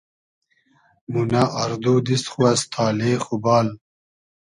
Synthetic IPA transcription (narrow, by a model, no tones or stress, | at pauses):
munaʔaɾd̪ud̪isχuast̪ʰaːleːχubaːl